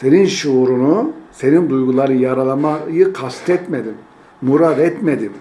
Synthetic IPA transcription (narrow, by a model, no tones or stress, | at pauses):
seninʃuɾunuse̞nind̪ujɡulˠaɾɯjaɾalˠamajɯkʰast̪ʰɛt̪med̪imː | uɾad̪ɛt̪med̪im